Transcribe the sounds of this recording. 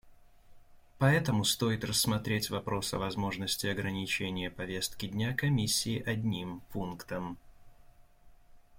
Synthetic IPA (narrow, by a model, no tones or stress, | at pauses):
pɐɛt̪əmʊst̪o̞jɪt̪rəsːmɐt̪ɾʲetʲvɐpɾo̞sɐ̰vɐzmo̞ʐnəsʲtʲɪɐɡɾənʲɪt͡ɕenʲɪjəpɐvʲe̞st̪kʲɪdʲnʲakɐmʲisʲːɪːʔɐdʲnʲimpunkt̪əm